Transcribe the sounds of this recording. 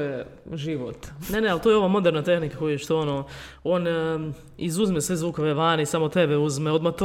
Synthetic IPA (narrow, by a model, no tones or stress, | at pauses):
jeʒiʋo̰t̪nenealt̪ojeo̞ʋaːmo̞d̪eɾnat̪e̞xnikako̞jueʃt̪oono | o̞n | izuzmesʋezʋuːkoʋeʋaːneisaːmot̪e̞beuzmeo̞d̪mat̪o